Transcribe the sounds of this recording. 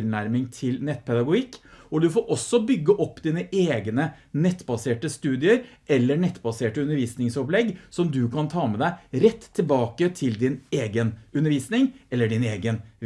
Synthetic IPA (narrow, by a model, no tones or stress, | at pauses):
ɾnæɾmɪŋt̪ʰɪlnɛt̪ːpʰɛd̪ɑɡʊɡɪkːɔd̪ʉfoːɾʔɔsːɔbʏɡːəʔɔpːd̪iːnəʔeːɡnənɛt̪ːbɑseːʈəst̪ʉːd̪ɪəɾʔɛlːənɛt̪ːbɑseːʈəʉnːəɾʋiːsnɪŋsɔplɛɡːsɔmd̪ʉkʰɑnt̪ʰɑːmɛd̪æɪɾɛt̪ʰːɪlbɑːkət̪ʰɪld̪ɪneːɡənʉnəɾʋiːsnɪŋɛlːəɖɪneːɡən